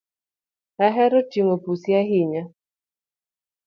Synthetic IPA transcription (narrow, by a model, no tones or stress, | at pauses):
aɦɛɾɔt͡ʃiŋopusjaɦiɲa